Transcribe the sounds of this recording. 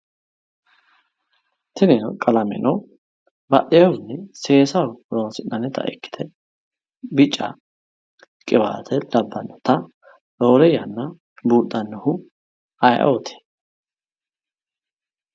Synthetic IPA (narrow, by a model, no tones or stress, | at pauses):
t̪ɪnɛnkʼɐlɐmɛ̰nɔ | bɐɗɛjɐwnːɛse̞ːsɐwɾoːnsɪnːɐnɛt̪ɐ̰ʔɪ̰kːɪ̥t̪ʰɛ | bɪt͡ʃʼːɐ̰ | kʼɪba̰ːt̪ʰɛd̪ɐbːɐnːɔt̪ɐ | loːɾɛjɐnːɐ | buːt̪ːɐnːɔhʊ | ɐjʔɐ̰t̪ʰe̥